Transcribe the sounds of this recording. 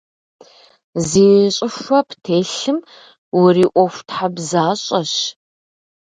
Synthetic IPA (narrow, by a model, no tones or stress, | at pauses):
ziːnɨɕʼɪʂʷɔpʰtʰeːɬɨm | wʊriːʔʷɔfʷtħabzaːɕʼɐɕ